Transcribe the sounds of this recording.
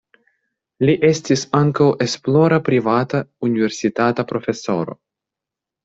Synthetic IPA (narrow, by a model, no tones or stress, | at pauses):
liʔestisaŋkawʔesploɾapɾivat̪auniveɾsit̪at̪apɾo̞fe̞so̞̰ɾo̞̰